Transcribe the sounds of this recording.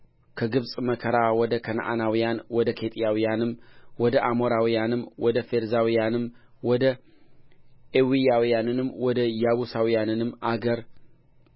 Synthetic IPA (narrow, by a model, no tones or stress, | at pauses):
kʰəɡɨβsʼməkʰəɾawɔd̪əkʰən̰ʔa̰nawijanwɔd̪əkʰe̞t̪ʼijawijanɨmwɔd̪əʔamoɾawijanɨmwɔd̪əfe̞ɾzawijanɨm | wɔd̪ə | ewijawijanɨnɨmːwɔd̪əjaβusawijanɨnɨmːaɡəɾ